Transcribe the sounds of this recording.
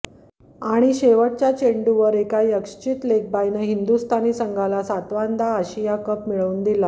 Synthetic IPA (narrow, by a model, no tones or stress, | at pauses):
aɽ̃iɕeʋəʈ̚t͡ɕjat͡ɕeɳɖuʋəɾekajəkʂt͡ɕiːt̪lek̚bajnəɦind̪ust̪ʰaniːsəŋɡʱalasat̪ʋand̪aːɕijakəpmiɭəuːnd̪ila